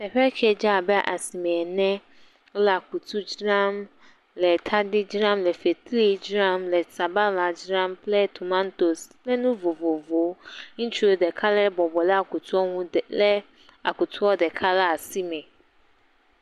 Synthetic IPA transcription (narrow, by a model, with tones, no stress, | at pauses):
tɛ˨ɸɛ˦kʰɛ˨d͡ʑa˦˨bɛ˦a˨ʔa˨si˨mɛ̃˨nɛ̃˦ | la˨kʰu˨tʰu˦d͡ʑɾã˦m | lɛ˨tʰa˦dɪ˦d͡ʑɾã˦mlɛ˨fe˨tʰle˦˨d͡ʑɾã˦mlɛ˨sa˨ba˦la˨d͡ʑɾã˦mpʰlɛ˦tʰu˨mã˦nto˨slɛ˦nʊ̃˦vo˨vo˨vo˨˦n̩˦t͡ɕʰu˦ɾo˨dɛ˨kʰa˦lɛ˦bɔ˨bɔ˨lɛ˦a˨kʰʊ˨tʰu˦ɔ˦ŋũ˦˨lɛ˦ | a˨kʊ˨tʰʊ˦ɔ˦dɛ˨kʰa˦la˦a˨si˦mɛ̃˨